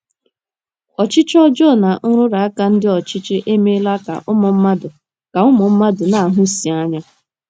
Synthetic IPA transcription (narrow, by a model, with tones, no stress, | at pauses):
ɔ˨t͡ʃɪ˦t͡ʃɔ˦d͡ʒɔ˦˨na˨n̩˦ɾʊ˦ɾa˨a˦ka˦n̩˦dɪ˦ɔ˨t͡ʃɪ˦t͡ʃɪ˦ʔe˦me˦la˦ka̰˨ʔʊ˦mɔ˨m̩˦ma˦dʊ˨ | ka˨ʊ˦mɔ˨m̩˦ma˦dʊ˨na˨a˨ɦʊ˦si˨a˦ɲa˦